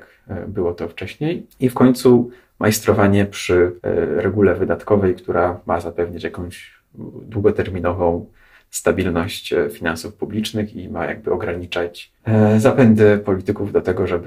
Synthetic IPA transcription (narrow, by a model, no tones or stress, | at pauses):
k | bɘwɔt̪ɔft͡ʂɛɕɲejifkɔɲt̪su | mʔajst̪ɾɔvaɲɛpʂɘɾɛɡulɛvɘd̪at̪kɔvɛjkt̪uɾamazapɛvɲat͡ɕjakɔ̃w̃ʑ | d̪wuɡɔt̪ɛɾmʲinɔvɔ̃w̃ | st̪abʲilnɔɕt͡ɕfʲinansufpublʲit͡ʂnɘximaja̰ɡ̚bɘɔɡɾaɲit͡ʂat͡ɕ | zapɛnd̪ɘpɔlʲit̪ɘkuvd̪ɔt̪ɛɡɔʐɛb